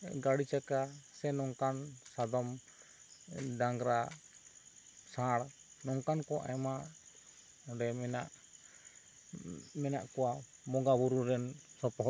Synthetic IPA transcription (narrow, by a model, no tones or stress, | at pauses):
ɡaɽit͡ʃakasɛnɔŋkansad̪ɔm | daŋɾa | sãɽ | nɔŋkankɔʔa̰jma | ɖɛmɛnaʔ | mɛnaʔkɔwa | mɔɡabuɾuɾɛnsɔpɔɦɔ